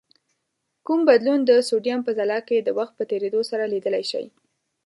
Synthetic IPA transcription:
kumbad̪lund̪əsoɖjampəzalɑked̪əwaxt̪̚pət̪eɾed̪osaɾalid̪əlajʃa̰j

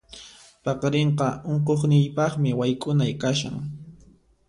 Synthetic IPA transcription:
pɑqɾeɴqɑoɴqoχnɪjpɑχmɪwajkʼʊnajkaʃa̰ŋ

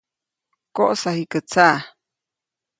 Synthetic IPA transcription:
koʔsahikət͡sa

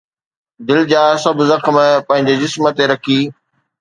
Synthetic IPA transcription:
d̪ɪld͡ʑaːsɐbʱʊzɐxmpɐ̃ɦɪ̃ɲd͡ʑed͡ʑɪsmət̪eɾɐkʰiː

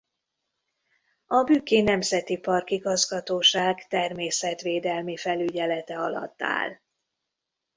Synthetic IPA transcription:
ɒbyːkeːnɛmzɛt̪ipɒrkiɡɒzɡɒt̪oːʃaːɡt̪ɛrmeːsɛt̪ʋeːd̪ɛlmifɛlyɟɛlɛt̪ɛɒlɒ̰t̪ːa̰ːl

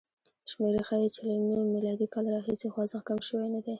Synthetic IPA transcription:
ʃmeɾexajet͡ʃalamimilɑd̪ikɑlɾɑɦisexwɑzakamʃəwenad̪e

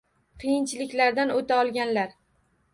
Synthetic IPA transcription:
qʰɨjɪnt͡ʃʰɪlɪkʲlaɾd̪anot̪ʰaɒlˠɡʲanlaɾ

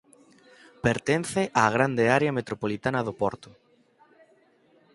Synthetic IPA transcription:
peɾt̪en̟θeʔaːɣ̞ɾand̪eaɾeamet̪ɾopolit̪anɐðopɔɾt̪ʊ

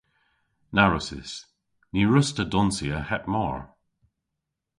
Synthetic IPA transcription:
naɹʊsɪ̰s | niɹʊstədɔnsiəhɛt̚mɔ̰ɹ

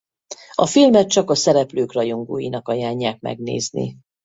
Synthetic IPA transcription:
ɒfilmɛt̪̚t͡ʃɒkɒsɛɾɛpløːkrɒjoŋɡo̰ːjinɒkɒjaːɲːaːk̚mɛ̰ɡnḛːznḭ

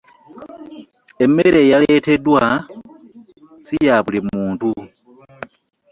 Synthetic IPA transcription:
e̞mːeɾe̞jale̞te̞dwa | sijaβulimuːntu

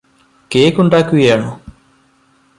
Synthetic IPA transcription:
keːkːuɳɖaːkːuɡɐjaːɳo

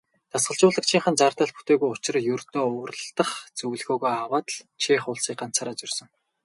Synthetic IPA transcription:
t͡s̪asɢə̆ɮt͡ɕʊːɮə̆k̚t͡ɕʰiːŋχə̆nt͡saːrt̪ăːɮpu̥t̪eːɣujʊt͡ɕɪ̆rjɵrt̪oːʊːrə̆ɮt̪ə̆χt͡sɵwɮxoːɣoːjawaːt̪əɮt͡ɕʰiːχʊːɮsiːk̚ɢan̥t͡saːɾat͡ɕɪ̆rsɞ̆ŋ

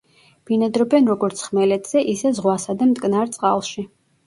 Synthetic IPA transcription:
b̥inad̪ɾɔbɛnɾɔɡɔɾt̪sʰχmɛlɛt̪ʰz̥ɛʔisɛzʁwasad̪amt̪ʼkʼnaɾt̪sʼqʼalˠʃi

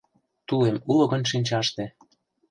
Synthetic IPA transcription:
t̪ulemulŏɣə̆nʃinʲt͡ɕɑʃt̪ĕ

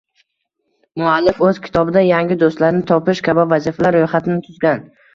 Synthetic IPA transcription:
mʊalːɪfɵz̥kʲʰɪ̥t̪ʰɒbɪd̪ajaŋʲɪd̪ost̪laɾɪnɪt̪ʰɒpɪʃkʲʰabɒvazifalaɾːojχat̪ʰɪnɪt̪ʰʊzɡʲan

